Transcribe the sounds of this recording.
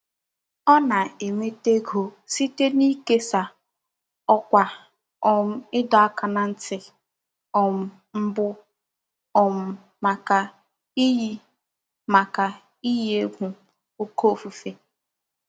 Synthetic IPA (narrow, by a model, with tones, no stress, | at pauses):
ɔ˦na˨e˨me˦te˦ɡo˨si˦te˦ni˦ke˦sa˨ | ɔ˦kʷa˨ | ɔ˨m̩˦ɪ˦dɔ˨a˦ka˨na˨n̩˦tɪ˨ | ɔ˨m̩˦ | m̩˦bʊ˦ | ɔ˨m̩˦ | ma˨ka˨ | i˦ji˦ | ma˨ka˨ | i˦je˦ɡʷu˨ | o˦ko˦˨fu˨fe˦